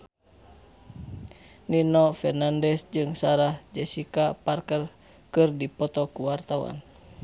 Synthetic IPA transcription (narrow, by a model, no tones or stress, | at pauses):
ninɔfɛrnandɛsd͡ʒɨŋsaɾahd͡ʒɛsikaparkər | kɨrdipɔt̪ɔkuwart̪awa̰n